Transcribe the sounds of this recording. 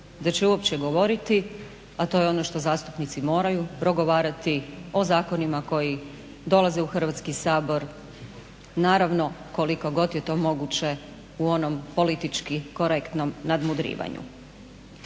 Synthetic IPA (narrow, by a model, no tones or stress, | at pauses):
d̪at͡ɕeuopt͡ɕeɡo̞ʋo̞ɾit̪i | at̪o̞ːjeo̞no̞ʃt̪o̞zaːst̪u̥pnit̪simo̞ːɾajupɾo̞ɡo̞ʋaːɾat̪io̞zaːko̞nimako̞ji | d̪o̞lˠazeuxr̩ʋat̪skisaːbo̞ɾ | naːɾaʋno̞ko̞liko̞ɡo̞t̪jet̪o̞ːmo̞ɡut͡ɕe̞ | uo̞no̞mpo̞lit̪it͡ʃkiko̞ɾekt̪no̞mnad̪mud̪ɾḭːʋa̰ɲṵ